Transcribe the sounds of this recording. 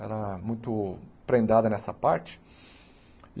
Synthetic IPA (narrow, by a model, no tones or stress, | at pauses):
ɛ̰ɾɐmũj̃t̪ʊpɾẽnd̪ad̪ɐnɛsɐpaɾt͡ʃɪ̥